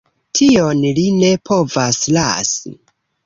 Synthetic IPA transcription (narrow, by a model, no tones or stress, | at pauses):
tʰio̞nline̞pʰo̞vasla̰sḭ